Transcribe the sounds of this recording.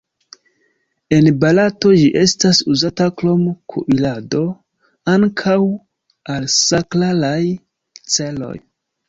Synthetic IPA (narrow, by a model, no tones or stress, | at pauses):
e̞nbalato̞d͡ʒiʔe̞stasuzataklo̞mkʰṵʔilado̞ | aŋkʰaw | alsaklalaj | t͡se̞lo̞̰j